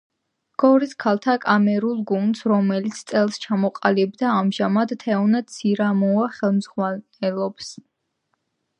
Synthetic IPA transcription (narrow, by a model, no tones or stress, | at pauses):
ɡ̥ɔɾiskʰalˠt̪ʰakʼamɛɾulˠɡund̪sɾɔmɛlit̪sʰt̪ʼɛlˠst͡ʃʰamɔqʼalibd̪aːmʒamad̪t̪ʰɛɔnad̪sʰiɾamɔaχɛlˠmzʁwa | ɛlˠɔbs